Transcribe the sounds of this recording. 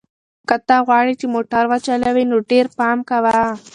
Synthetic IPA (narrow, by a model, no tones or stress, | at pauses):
kɐt̪aɣwaːɽit͡ʃimoːʈɐɾʋat͡ʃɐlɐʋinuɖeːɾpaːmkaʋaa